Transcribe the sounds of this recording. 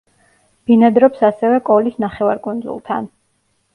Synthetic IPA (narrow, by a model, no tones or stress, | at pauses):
b̥inad̪ɾɔpsasɛvɛkʼɔlisnaχɛvaɾkʼund̪zṵlˠt̪ʰan